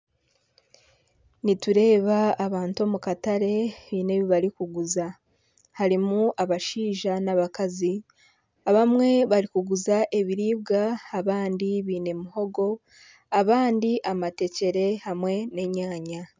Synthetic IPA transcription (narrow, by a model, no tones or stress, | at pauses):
nituɾe̞ːβaːβaːntuo̞mukataɾe̞βiːne̞βiβaɾikuɡuza | haɾimuʔaβaʃiːʒanaβakazi | aβamŋe̞βaɾikuɡuzaʔe̞βiɾiːβɡaːβaːndiβiːne̞muho̞ɡo̞ | aβaːndiʔamate̞ce̞ɾe̞hamwe̞ne̞ɲaːɲa